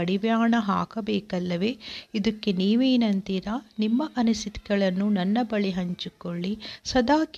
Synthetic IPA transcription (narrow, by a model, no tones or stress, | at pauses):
ɐɽiʋjaːɳɐɦa̰ːkɐbɛːkɐlːɐʋeːid̪ɐkːeniːʋeːnɐnt̪iɾaːnimːɐʔɐnusit̪i̥ɡɐɭɐnːunɐnːɐbɐɭiɦɐɲt͡ʃikoɭːisɐd̪aːk